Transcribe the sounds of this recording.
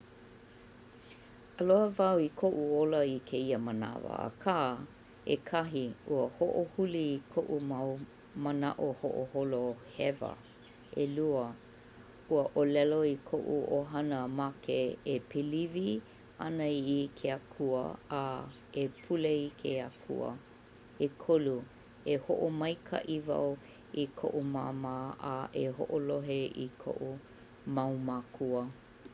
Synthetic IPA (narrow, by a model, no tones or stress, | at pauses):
əloəvɐwikʰoʔuoləikʰeiəməna̰vɐ̰a̰kʰaː | ḛkʰɐɦiuəhoʔohuliːkʰoʔumaw | məna̰ʔoho̰ʔoholohɛvə̰ | eluə | uəʔolɛloikʰoʔṵoɦɐnəmakeepʰelivi | ɐnəiʔikʰeakʰuə̰a | epʰuleikʰeakʰṵə̰ | ekʰolu | eho̰ʔomɐjkʰa̰ʔiva̰w | ikʰo̰ʔumaːmaːʔaʔeɦo̰ʔoloɦeḭkʰo̰ʔu | mɐwmakʰuə